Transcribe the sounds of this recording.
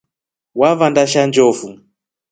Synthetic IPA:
wavandaʃand͡ʒɔfu

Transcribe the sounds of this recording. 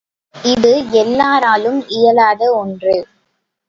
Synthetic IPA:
ɪðɯɛlːaːɾaːlɯmɪjɐlaːðɐɔndrɯ

